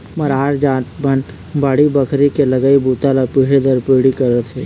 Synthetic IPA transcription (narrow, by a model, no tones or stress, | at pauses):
mɐɾaːɾd͡ʒãːt̪bən | baːɽibɐkʰɾikelɐɡaːibuːt̪alapiɽed̪əɾpiɽikɐɾət̪ʰeː